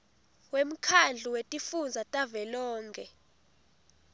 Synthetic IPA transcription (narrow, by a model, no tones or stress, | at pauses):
wem̩kʰand͡ɮʱuwetʼifund͡zʱatʼavɛlɔːŋkʰɛ